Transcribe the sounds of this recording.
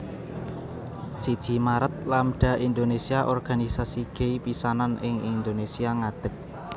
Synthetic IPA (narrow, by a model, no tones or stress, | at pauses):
sid̥ʒ̥i̤maɾət̪̚lamɖ̥a̤ʔind̪onesiaʔɔrɡ̥a̤nisasiɡ̥eipisananʔɪŋind̪onesiaŋad̪̥ə̤k̚